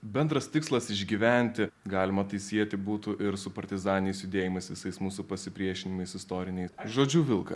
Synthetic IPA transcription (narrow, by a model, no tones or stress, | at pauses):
bʲɛnd̪ɾɐst̪ʲɪkslˠɐsɪʒʲɡʲiːʋʲɛnʲt̪ʲɪɡɑːlʲɪmɐt̪ɐɪsʲiɛt̪ʲɪbuːt̪ʊʔɪɾsʊpɐɾʲt̪ʲɪzɑːnʲɪnʲɛɪsjʊd̪ʲeːjɪmɐɪsʋʲɪsɐɪsmuːsupɐsʲɪpʲɾʲiɛʃʲɪnʲɪmɐɪsɪst̪oːɾʲɪnʲɛɪsʒoːd͡ʒʲuːʋʲɪlˠkɐ̰